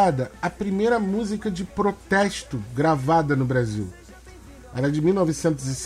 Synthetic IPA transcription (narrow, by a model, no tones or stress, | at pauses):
ad̪ɐɐpɾimejɾɐmuzikɐd͡ʒɪpɾot̪ɛʃt̪ʊɡɾavad̪ɐnʊbɾazḭw | ɛ̰ɾɐd͡ʒɪmiwnɔvisẽnt̪̬ʊzis